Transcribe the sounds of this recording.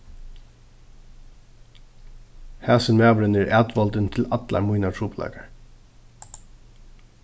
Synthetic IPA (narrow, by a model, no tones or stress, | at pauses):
hæːsənmæːbɾənɪɹʔæːt̪ʋɔlt̪ənt̪ʰɪlɑt̪lɑ̰mujnat̪ʰɾuːplɑ̰ːkaɹ